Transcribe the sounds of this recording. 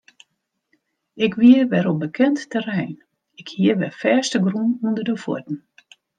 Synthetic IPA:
ɪkʋiəʋɛɾobəkʰɛntːɛrɛjn | ɪkhiəʋɛfɛːstəɡrunundərdəfɔ̰tn̩

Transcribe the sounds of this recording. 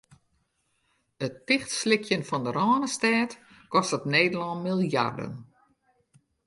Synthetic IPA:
ətɪxtslɪkʰjənfɔndəɾɔːnəstɛːt | kɔstətneːdəlɔnmilˠja̰rdə̰n

